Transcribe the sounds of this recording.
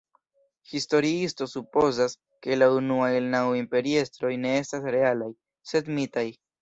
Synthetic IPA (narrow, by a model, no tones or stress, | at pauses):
histo̞ɾiisto̞supo̞zas | ke̞launuajelnawimpe̞ɾie̞stɾo̞jne̞e̞stasɾe̞alaj | se̞dmitaj